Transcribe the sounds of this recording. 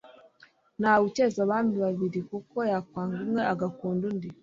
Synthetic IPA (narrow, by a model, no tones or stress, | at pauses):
naβucezaβaːndiβaβiɾikuko̞jakwaːŋɡumŋe̞aɡakuːndundi